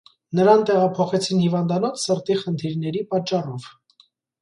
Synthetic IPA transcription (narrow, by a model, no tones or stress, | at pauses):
nəɾɑnt̪ɛʁɑpʰɔχɛt͡sʰinhivɑnd̪ɑnɔt͡sʰsəɾt̪iχənt̪ʰiɾnɛɾipɑt͡ʃːɑrɔv